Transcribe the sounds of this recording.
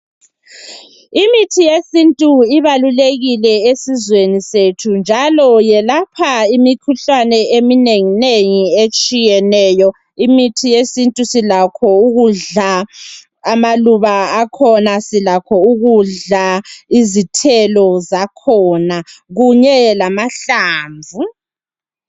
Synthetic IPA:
imitʰijesintʼuiβaluleɣilɛesizwenisetʰund͡ʒʱalɔjɛlapʰaimikʰuɬanɛemineŋineŋiet͡ʃʼijɛnɛːjɔ | imitʰijesintʼusilakʰɔuɣuɮa | amaluβaːkʰɔnasilakʰɔuɣuɮaizitʰɛlɔzakʰɔːnaɣuɲɛlamaɬaːɱvʱu

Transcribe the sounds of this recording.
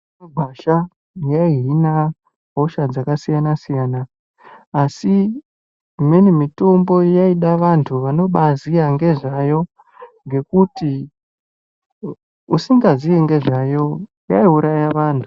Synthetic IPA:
aɡʱaʃa | jaiina | ɦo̞ʃad͡zakasijanasijaːnaː | si | ime̞nemito̞mbo̞jaiɗaʋantʰuʋano̞ɓaziaŋɡe̞ʐajo̞ | ŋɡe̞kuti | usiŋɡazijeŋɡe̞ʐajo̞ | jaiuɾajaʋaːntʰu

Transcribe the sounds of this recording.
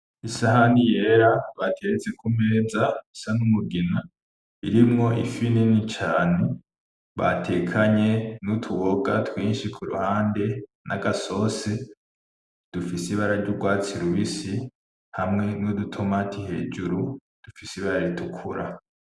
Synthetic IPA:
isahanije̞ːɾaβatʰet͡sekume̞ːzaisanumuɡina | iɾimŋo̞ʔḭfininit͡ʃaːne | βa̰tʰe̞kʰaɲe̞nutʰuwoɡa̰twiːnʃikʰuɾṵhaːnde̞ | nʔaɡaso̞se | d̥ufisiβaɾaɾɟuɡwaːt͡siɾuβisi | hamŋe̞nudutʰomatʰihe̞̰ːd͡ʒuɾu | d̥ufisiβaɾaɾitʰukʰuɾa

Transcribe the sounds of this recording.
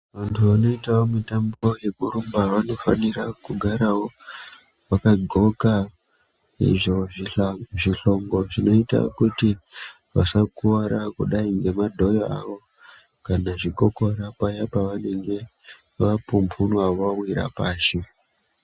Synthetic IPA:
ʋantʰuʋano̞itaomitambo̞jekurumbaʋano̞fa̰nirakuɡʱaɾawo̞ | ʋakaɡʱo̞ka | ḭʐo | ʐiɬo̞ŋɡo̞ʐino̞ita̰kuti | ʋasakuʋaɾakuɗaiŋɡe̞madʱo̞joa̰ʋo̞ | kanaʐiɡoko̞ɾapajapaʋane̞ŋɡe̞ | ʋapumpʰunaʋawiɾa̰paːʃi

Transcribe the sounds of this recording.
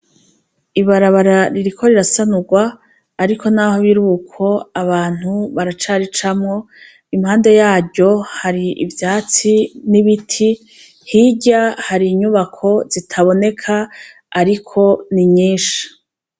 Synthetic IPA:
iβaɾaβaɾaɾiɾikʰo̞ɾiɾasanuɡwaː | ɾikʰo̞nahoβiɾukʰo̞aβaːn̥huβaɾat͡ʃaɾit͡ʃamŋo̞ | imhaːnde̞jaːɟo̞haɾiḭvjaːt͡siniβitʰi | hiɟahaɾiːɲuβakʰo̞z̥itʰaβo̞ne̞kʰaː | ɾikʰo̞niɲiːʃi̥

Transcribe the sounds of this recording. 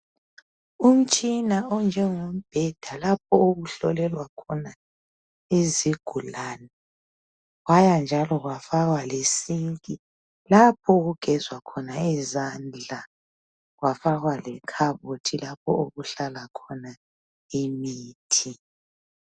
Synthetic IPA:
um̩t͡ʃʼinaɔnd͡ʒʱɛŋom̩b̥ʱɛd̥ʱalap̚ʰɔoɣuɬɔ̰lɛlwakʰɔna | eziɡ̥ʱulaːna | ɣwajand͡ʒʱalɔɣwafaɣwalesiŋkʼi | lapʰɔɣuɡ̥ʱɛzwakʰɔnaɛzand͡ɮʱa | ɣwafaɣwalɛkʰaβotʰilapʰɔ̰oɣuɬalakʰɔna | imiːtʰi

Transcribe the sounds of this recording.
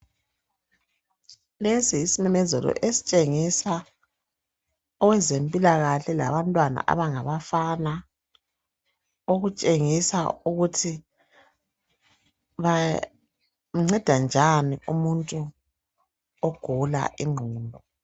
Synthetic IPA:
lesiːsimɛmɛzɛlɔ̰ʔesi̥t͡ʃʼeŋisa | ɔwɛzempʼilaɣaɬɛla̰βantʼwana̰ʔa̰βaŋaβafana | oɣut͡ʃʼeŋisa̰uɣutʰi | βa | ŋ͡ǀɛd̥ʱand͡ʒʱaniumuntʼu | ɔɡ̥ʱula̰ʔiŋ͡ǃʱuːmbʱɔ

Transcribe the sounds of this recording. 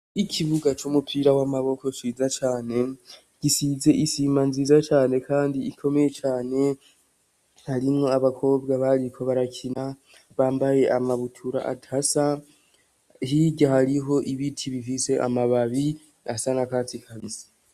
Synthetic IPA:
ikʰiβuɡat͡ʃumupʰiɾawamaβo̞ko̞ʃiːzat͡ʃaːne̞ | ɡ̥isize̞ʔisiːmanziːzat͡ʃaːne̞kʰaːndiikʰo̞me̞je̞t͡ʃaːne̞ | haɾimŋo̞aβakʰo̞ːbɡaβaɾikʰo̞βaɾakʰina | βaːmbaje̞ʔamaβutʰuɾa̰ʔa̰tʰasa | ɦiɟahaɾiɦo̞ʔiβitʰiβifise̞ʔa̰maβaβi | asanakaːtikʰaβisi̥

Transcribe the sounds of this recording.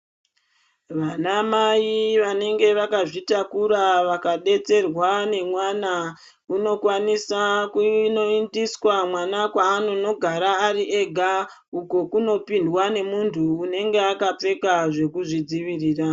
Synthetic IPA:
ʋanamajiʋane̞ŋɡe̞ʋakaʐitakuɾaʋakaɗe̞t͡se̞rwane̞mwana | uno̞kwanisakuno̞indiswamwanakwaːnono̞ɡʱaɾaːɾiʔe̞ɡʱa | uko̞kuno̞pindwane̞muntʰuːne̞ŋɡe̞akap͡fe̞kaʐe̞kuʐid͡ziʋiriːra

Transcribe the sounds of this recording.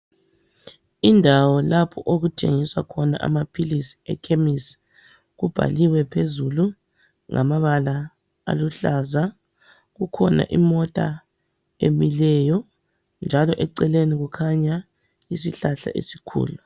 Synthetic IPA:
indʱawɔlapʰɔʔoɣutʰeŋiswa̰kʰɔna̰ʔa̰mapʰilisi̥ɛ̰kʰemis | ɣub̥ʱa̰liwɛpʰezulu | ŋʔa̰maβala | a̰luɬaza | ɣukʰɔna̰ʔimɔtʼa̰ | emilɛjɔ | nd͡ʒʱalɔʔɛǀɛleniɣukʰaɲa | isiɬaɬa̰ʔḛsi̥kʰṵːlu

